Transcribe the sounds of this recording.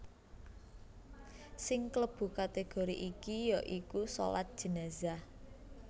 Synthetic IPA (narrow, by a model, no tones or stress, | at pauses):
sɪŋkləb̥ṳkat̪eɡ̥oɾḭʔikijɔʔikuso̰la̰t̪̚d̥ʒ̥i̤neza